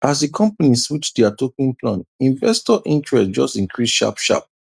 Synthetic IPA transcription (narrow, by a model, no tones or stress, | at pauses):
ʔasdikʰɔ̃mpaniswut͡ʃdɛatokĩnpʰlãnĩɱvɛstɔʔĩntɹɛsd͡ʒɔstĩŋkʰɹisʃa̰pʃa̰p̚